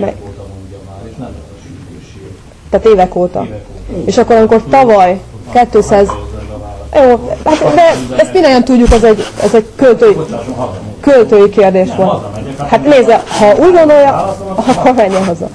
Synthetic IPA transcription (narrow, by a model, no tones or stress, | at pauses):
mɛ̰ | t̪aːt̪eːvɛkoːt̪ɒ̰eːʃɒkːo̞ɾɒmiko̞rt̪ɒvɒjkɛt̪ːøːsaːz | joːhat̪d̪ɛɛst̪minoɲɒnt̪uɟːukɛzɛɟɛ̰zɛɟkølt̪øːi | kølt̪øːjikeːrd̪eːʃʋo̞lt̪hat̪neːzɛhɒʔuːɟɡo̞nd̪o̞jːɒɒkːormɛɲːɛɦozɒ̰